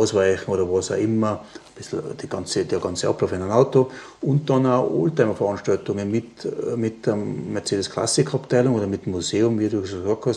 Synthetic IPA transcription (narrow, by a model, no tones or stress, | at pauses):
aʊsvaɪçn̩oːɾɐvɑːsaʊʔɪmɐb̥ɪsl̩d̥iɡ̥ɑnt͡səd̥eɡɑnt͡səʔɑ̰plaʊfananaʊto | ʊnt̚d̥ɑnaʊo̰ːltaɪmɐfɐʁɑnʃtɑltʊŋənmɪtmɪtdəmɛɐt͡seːdəskʰl̥a̰sɪkʰɑptʰaɪlʊŋoːdɐmɪtmːuseːʊmviːɐduːsɡsɑk̚thɑs